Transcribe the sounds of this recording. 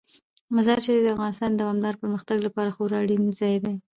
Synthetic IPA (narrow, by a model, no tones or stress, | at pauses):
mazɑɾt͡ʃed̪əafɣɑnɪst̪ɑnd̪awɑmd̪ɑɾpəɾməxt̪aɡlapɑɾaxoɾɑɽinzɑjd̪e